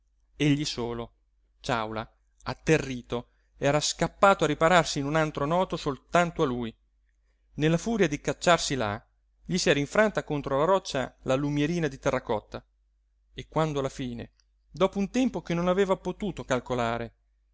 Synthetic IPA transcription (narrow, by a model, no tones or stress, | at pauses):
eʎːisoːlo | t͡ʃawla | at̪ːerːiːt̪o | ɛːɾaskapːaːt̪oaripaɾarsiːnunant̪ɾonɔːt̪osolt̪ant̪oaluj | nelːafuːɾjad̪ikat͡ʃːarsila̰ | ʎisiɛːɾaiɱfɾant̪akont̪ɾolaɾɔt͡ʃːa̰lalumjeɾiːnad̪it̪ɛrːakɔt̪ːa | ekːwand̪oalːafiːnḛ | d̪ɔːpount̪ɛmpokenːonaveːvapot̪uːt̪okalkolaːɾe